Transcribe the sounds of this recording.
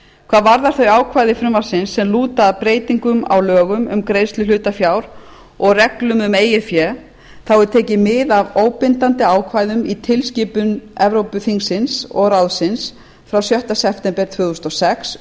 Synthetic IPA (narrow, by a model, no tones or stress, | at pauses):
kʰvaːðvaɾðaɾ̥θœɥaːwkʰvajðɪfɾʏmːaɾ̥sɪnsːɛmluːt̪apɾeːjt̪iŋkʏma̰wlœːɣʏmʏ̰mkɾeːjst̪lɪlʏːt̪afjawɾ | ɔɣrɛklʏmʏmeːjɪfjɛ | θawʏt̪ʰeːcɪmɪðavoːwpɪnt̪ant̪ɪaːwkʰvaːjðʏmit̪ʰɪlsciːpʏnɛvɾowpʏθiŋsɪnsɔ̰ɣɾawðsɪns | fɾawsjœht̪asɛp̚t̪ɛmpɛɾ̥t̪ʰvʏːðust̪ɔsɛks